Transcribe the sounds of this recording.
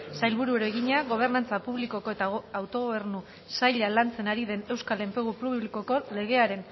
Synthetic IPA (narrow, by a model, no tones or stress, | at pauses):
sajlβuɾueɾoeɣiɲaɣo̞β̞e̞ɾnant͡sapuβliko̞ko̞e̞t̪aːwt̪o̞ɣoβe̞ɾnu | sajʎalant͡se̞naɾiðe̞ne̞wskale̞mpe̞ɣupuβliko̞ko̞le̞ɣ̞e̞aɾe̞n